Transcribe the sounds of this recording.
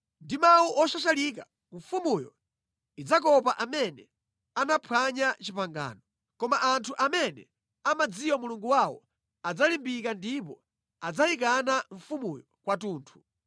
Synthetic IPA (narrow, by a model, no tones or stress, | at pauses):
ndimawuʔɔʃaʃalik̬a | ɱ̩fumujɔ̰ | id͡zak̬ɔpaʔamɛnɛ | anapʰwaɲat͡ʃipaŋɡa̰ːnɔ | kɔmaʔantʰuʔamɛnɛ̰ | amad͡zijwɔmuluŋɡuwawɔ̰ | ad͡zalimbikandip̬ɔ | ad͡zaik̬anaɱfumujɔkwatuːntʰu̥